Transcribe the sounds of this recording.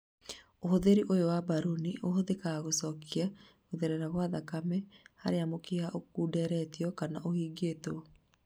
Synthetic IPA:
ohoðeɾiʔojowabaɾuniʔohoðekaɣosɔkʰia | ɣoðɛɾɛɾaɣwaðakamɛha̰ɾeamokeaʔokuːdɛɾɛtiɔkanaʔohiːɡeto

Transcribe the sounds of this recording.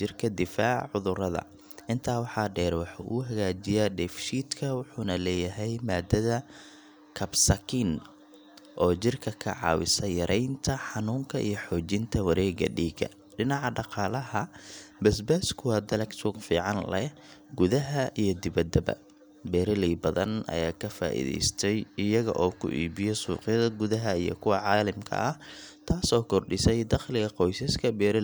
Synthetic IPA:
d͡ʒɪrkʰɐd̪ɪfaːʕʕʊðʊɾɐðɐ̰ | ʔɪnt̪ʰaːwɑħɑːɖɛːɾwɑħṵʔʊɦɐɣaːt͡ʃɪjaɖɛfʃiːd̪kʰɐwʊħuːnɐlɛːjɐɦɛjmaːd̪ɐðɐ | kʰɐbsɐkʰin | ʔɔːt͡ʃɪrkʰɐkʰɐ̰ʕɑ̰ːwɪ̰sɐjɐɾʔɛjnt̪ʰɐħɑnuːŋkʰɐʔḭjɞħɔːt͡ʃɪnt̪ʰɐwɑɾɛːɡɐ̰ɖiːɡɐ̰ | ɖɪnɑʕɑɖɑqɑːlɐhɐbɐsbɛskʰʊwɐd̪ɐlɛksʊɡfiːʕɑnlɛ | ɡʊðɐɦɐʔijɞd̪ɪβɐd̪ɐbɐ̰ | bɛːɾɪliːbɐðɐnɐ̰jaːkʰɐfa̰ːʔḭðɛ̰jst̪ʰɛjɪjɐɣɐ̰ʔɔːkʰʊ̰ʔiːbɪjɛsṵːqɪjɐðɐɡʊðɐɦɐijɞ̰kʰʊwɑʕɑːlɪmkʰɐ̰ʔɐht̪ʰaːsɔːkʰɔrɖɪsɛjd̪ɑχlɪɣɐqɔjsɐskʰɐbɛːɾɪ

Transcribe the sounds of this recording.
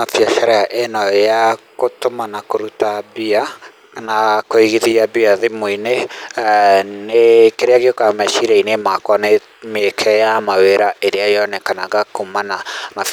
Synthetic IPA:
afjaʃaɾɛaʔɛnɔakotomanakoɾutabia | nakoiɣiðiabiaðemoine | nekeɾeaɣeokamɛʃiɾɛinemakwane | mekʰɛjamaweɾaʔeɾeajɔnɛkanaɡakomanama

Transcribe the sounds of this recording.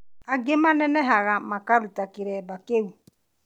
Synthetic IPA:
aɡemanɛnɛɦaɣamakaɾutakiɾɛbakewu

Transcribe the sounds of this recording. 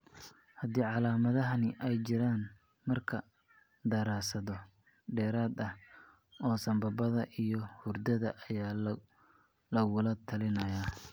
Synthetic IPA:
hɐd̪iːʕɑlaːmɐðɐɦɐnɪʔɛjt͡ʃɪɾaːn | mɐrkʰɐ | d̪ɐɾaːsɐðɔ | ɖɛːɾaːd̪ɐh | ɔːsɐmbɐbɐðɐʔijɞhʊrd̪ɐðɐʔɐjaː | lɐɣʊlɐt̪ʰɐlɪnɐjaː

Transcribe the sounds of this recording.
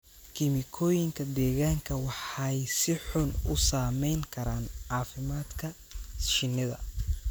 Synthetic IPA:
kʰɪmɪkʰɔːjɪŋkʰɐd̪ɛːɣaːŋkʰɐwɑħɑjsɪħʊnʊsaːmɛjŋkʰɐɾaːnʕɑːfɪmaːd̪kʰɐ | ʃɪnɪðɐ̰

